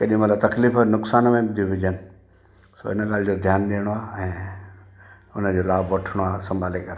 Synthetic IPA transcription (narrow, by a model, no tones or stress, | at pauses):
kɐɗijũmãlat̪ɐkliːfənʊksaːnmẽbd̪uʋɪd͡ʑənɪ | so̰ːɪnəkaːld͡ʑod̪ʱjaːnɗeːəɽ̃oaːɛ̃ː | ʊn̤əd͡ʑoːlaːbʋɐʈʰəɽ̃oaːsɐ̃mbʱaːlekɐɾ